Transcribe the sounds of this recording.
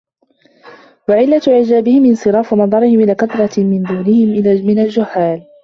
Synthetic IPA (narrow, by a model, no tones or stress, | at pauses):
waʕɪlːat̪ʕɪd͡ʒaːbɪhɪmʔɪnsˤɨɾɑːfʊnɑðˤɑɾˤɪhɪmʔɪlaːkad̪ɾˤɑmɪnd̪uːnɪhɪmʔɪlaːmɪnald͡ʒʊhːaːl